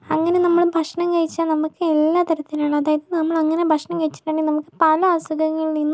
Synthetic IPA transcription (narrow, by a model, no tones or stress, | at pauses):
ɐŋːɐne̞nɐmːɐɭbʱɐkʂɐɳɐmkɐɻit͡ɕːaːnɐmukːɨelːaːt̪ɐɾɐt̪ːilaːɳɨɐðaːjɐðɨnɐmːɐɭɐŋːɐne̞bʱɐkʂɐɳɐmkɐɻit͡ɕːi̥tːaːɳɖinɐmukːɨpɐlɐaːsuɡɐŋːɐɭninːu